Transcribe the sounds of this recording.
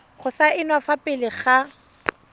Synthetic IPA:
χʊsaʔɪnwafapʼɪlɪχa

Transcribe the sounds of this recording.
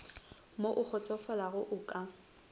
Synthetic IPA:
moʔʊk͡xʰɔt͡sʼɔfɔlaɣʊʔʊkʼa

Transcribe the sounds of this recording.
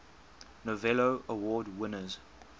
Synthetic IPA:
novɛloʔəwɔːdwɪnəz

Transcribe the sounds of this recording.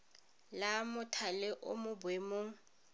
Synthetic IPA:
lamʊtʰalɛʔʊ̰mʊbwemʊ

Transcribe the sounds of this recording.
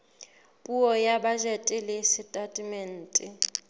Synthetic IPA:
pʼuɔjabaʒɛtʼɪlɪsɪtʼatʼimɛn̩ːtʼɪ

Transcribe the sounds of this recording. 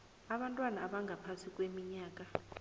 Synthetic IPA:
aɓantʼwanaːɓaŋɡʱapʰasikʼwemiɲaːk̬ʼa

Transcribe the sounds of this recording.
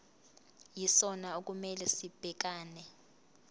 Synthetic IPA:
jisɔnaok̬ʼumɛlɛsib̥ʱɛk̬aːnɛ

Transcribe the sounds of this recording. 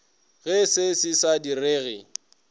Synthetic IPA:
ɣɛsɪsɪsadireːɣɪ

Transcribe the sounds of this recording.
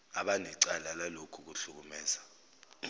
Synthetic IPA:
aɓanɛǀalalalokʰuk̬uɬuk̬umɛːza

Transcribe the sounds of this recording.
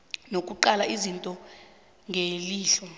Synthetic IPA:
nokʼuǃalaizintʼɔ | ŋʱeliːɬɔ

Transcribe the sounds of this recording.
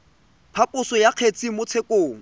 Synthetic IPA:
pʰapʼʊsɔjaq͡χʰet͡sʼimʊt͡sʰekʼoːŋ̩

